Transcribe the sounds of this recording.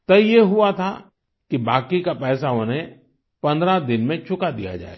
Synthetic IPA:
t̪ɐjeɦʊat̪ʰa̰ | kibaːkikapɛːsaõnɦẽ | pɐ̃nd̪ɾad̪ɪnmẽt͡ʃʰʊkad̪ija̰d͡ʒa̰ːḛː

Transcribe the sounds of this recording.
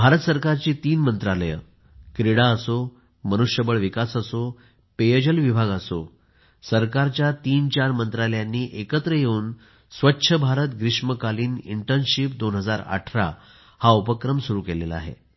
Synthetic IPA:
bʱaɾət̪səɾkaɾt͡ɕiːt̪iːnmənt̪ɾaləjə̰ | kɾiɽaəso | mənuʂjəbəɭʋikasəso | pejəd͡ʑəlʋibʱaɡəso̰ | səɾkaɾt͡ɕjat̪iːnt͡ɕaɾmənt̪ɾaləjanːiːʔekət̪ɾəjeuːn | sʋətːɕʰəbʱaɾət̪ɡɾiʂməkaliːnḭɳʈəɾnɕipd̪onɦəd͡zaɾa̰ʈʰɾa̰ | haupəkɾəmsuɾuːkelḛləa̰ɦḛ

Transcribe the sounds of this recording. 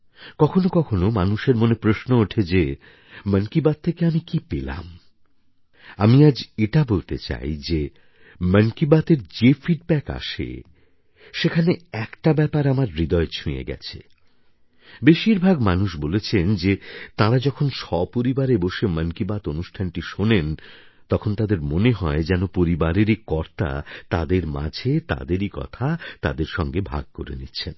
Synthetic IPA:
kɔkʰonokɔkʰonomanuʃeɾmonepɾoʃnooʈʰed͡ʑe | mənkibat̪̚ʰːekeamikipela̰m | amiad͡ʑeʈabolt̪et͡ɕa̰jd͡ʑe | mənkibat̪eɾd͡ʑefiɖbɛka̰ʃḛ | ʃekʰaneɛkʈabɛpaɾamaɾːid̪ɔet͡ɕʰũjḛɡɛ̰t͡ɕʰḛ | beʃiɾbʱaɡmanuʃbolet͡ɕʰend͡ʑet̪aɾad͡ʑɔkʰonʃɔpoɾibaɾeboʃemənkibat̪onuʃʈʰanʈiʃonen | t̪ɔkʰont̪ad̪eɾmoneɦɔed͡ʑɛnopoɾibaɾeɾikɔɾt̪a̰t̪ad̪eɾma̰d͡ʑʱet̪a̰d̪eɾikɔ̰t̪ʰat̪a̰d̪eɾʃɔŋɡebʱa̰ɡ̚ko̰ɾḛnitːɕʰen

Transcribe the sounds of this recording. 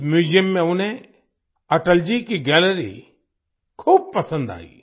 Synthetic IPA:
mjuːzijəmːẽʊnẽ | ɐʈəld͡ʒikiɡɛːləɾḭ | kʰuːb̚pɐsə̃nd̪a̰ːḭː

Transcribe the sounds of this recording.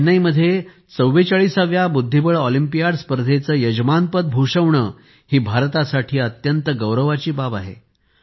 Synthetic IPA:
nəiməd̪ʱːje | t͡səwːet͡saɭisaʋjabud̪ʱːibəɭɔlimpijaɽspəɾd̪ʱet͡səːjəd͡ʑmanpət̪̚bʱuʂəʋɳəː | hiːbʱaɾt̪asaʈʰiːət̪jənt̪əɡəwɾəʋat͡ɕiːbabaɦḛ

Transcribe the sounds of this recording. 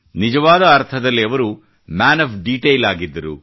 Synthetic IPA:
nid͡ʒɐʋaːd̪ɐːɾt̪ʰɐd̪ɐlːiɐʋɐɾu | maːnɐpɖiːʈejlaːɡid̪ːɐɾṵ

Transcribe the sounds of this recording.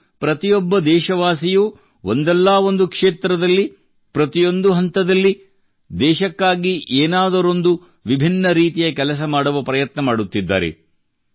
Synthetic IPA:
pɾɐt̪ijɔbːɐd̪ɛːʃɐʋaːsijuː | ond̪ɛlːaːo̞nd̪ukʂeːt̪ɾɐd̪ɐlːi | pɾɐt̪ijo̞nd̪uɦɐnt̪ɐd̪ɐlːi | d̪ɛːʃɐkːaːɡiʔeːnaːd̪ɐɾo̞nd̪u | ʋibʱinːɐɾiːt̪ijɐkɛlɐs̬ɐmaːɽɐʋɐpɾɐjɐt̪nɐmaːɽut̪ːid̪ːa̰ːɾḛ

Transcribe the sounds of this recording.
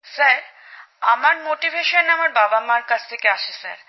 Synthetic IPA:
saɾ | amaɾmoʈibʱeʃonamaɾbabamaɾkat͡ɕʰt̪ʰekeaʃʰesa̰ɾ

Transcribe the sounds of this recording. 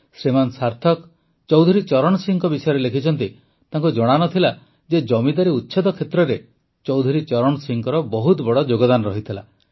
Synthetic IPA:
sɾimansaɾt̪ʰɔk | t͡ʃɔwd̪ʱuɾit͡ʃɔɾɔɽ̃ɔsiŋkɔbisɔjɔɾelekʰit͡ʃʰɔnt̪i | t̪aŋkud͡ʒɔɽ̃anɔt̪ʰila | d͡ʒed͡ʒɔmid̪aɾiut̪ːʃʰɔd̪ɔkʰet̪ɾɔɾe | t͡ʃɔwd̪ʱuɾit͡ʃɔɾɔɽ̃ɔsiŋkɔɾɔbɔɦut̪bɔɽɔd͡ʒoɡɔd̪anɔɾɔɦit̪ʰila

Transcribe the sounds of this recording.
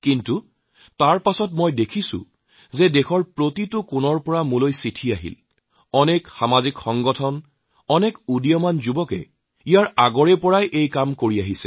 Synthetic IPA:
kintu | taɹpasɔtmojdekʰisʊ̰ | zɛdexɔɹpɹotitʊkʊnɔɹpɔɹamulojsitʰiaɦḭl | ɔnɛkxamazikxɔŋɡɔtʰɔn | ɔnɛkudijɔmanzubɔkɛ̰ | ijaɹaɡɔɹɛpɔɹajʔejkamkoɹiaɦisɛ̥̰

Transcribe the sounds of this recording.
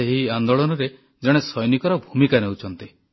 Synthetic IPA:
eɦiand̪ɔɭɔnɔɾe | d͡ʒɔɽ̃esɔjnikɔɾɔbʱumikanewut͡ʃʰɔnt̪i

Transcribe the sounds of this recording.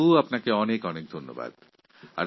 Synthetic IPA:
uapnakeɔnekɔnek̚d̪ʱonːo̰ba̰d̪ | a̰ɾ

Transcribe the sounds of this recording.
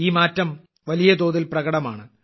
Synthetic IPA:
iːmaːtːɐm | ʋɐlijɐd̪o̞ːðilprɐɣɐɽɐma̰ːɳɨ

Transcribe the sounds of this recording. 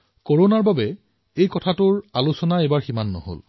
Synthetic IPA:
koɹonaɹbabɛ | ejkɔtʰatʊɹalusɔnaebaɹximanːɔ̰ɦo̰l

